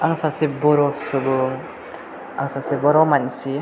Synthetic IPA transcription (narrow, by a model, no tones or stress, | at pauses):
aŋsasibɔɾɔsubɯŋ | a̰ŋsasibɔɾɔmansi